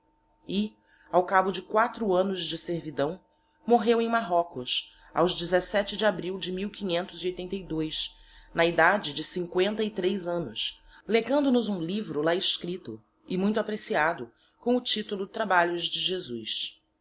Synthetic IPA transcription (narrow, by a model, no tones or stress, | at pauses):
ɪ | awkabʊd͡ʒɪkwat̪ɾʊɐ̃nʊzd͡ʒɪseɾvid̪ɐ̃w̃ | moɦewẽj̃maɦɔkʊs | a̰wzd͡ʒɪzesɛt͡ʃɪd͡ʒɪabɾiwd͡ʒɪmiwkĩɲẽnt̪ʊziojt̪ẽnt̪ɐjd̪ojsnɐid̪ad͡ʒɪd͡ʒɪsĩŋkwẽnt̪ɐɪt̪ɾejzɐ̃nʊsleɡɐ̃nd̪ʊnʊzũlivɾʊlaɪʃkɾit̪ʊ | ɪmũj̃t̪ʊapɾesiad̪ʊ | kõʊt͡ʃit̪ulʊt̪ɾabaʎʊzd͡ʒɪʒezujs